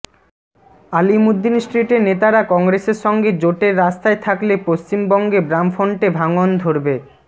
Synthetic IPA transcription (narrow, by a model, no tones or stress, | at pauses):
alimud̪ːinsʈɾiʈeɾnet̪aɾakɔŋɡɾeseɾʃɔŋɡed͡ʑoʈeɾːast̪aet̪ʰaklepost͡ɕimbɔŋɡebɾamfoɳʈebʱaŋond̪ʱoɾbe